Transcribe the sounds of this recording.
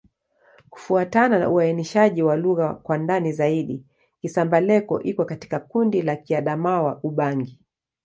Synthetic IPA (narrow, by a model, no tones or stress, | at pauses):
ku̥fuatanana̰uainiʃaʄiwaluɣakwandanizaiɗi | kisambalɛkɔ̰ʔikwɛkati̥kakundilakiaɗamawaʔuɓaŋɡi